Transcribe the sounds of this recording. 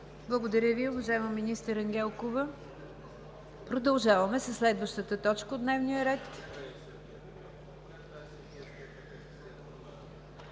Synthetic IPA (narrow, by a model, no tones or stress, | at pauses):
blˠəɡod̪əɾʲjəviovɐʒaɛməminist̪əɾɐŋɡʲɛlˠkovə | pɾod̪ɐlˠʒavəmɛsəslɛd̪vəʃt̪ət̪ət̪ɔt͡ʃkəod̪nɛvnijəɾɛt̪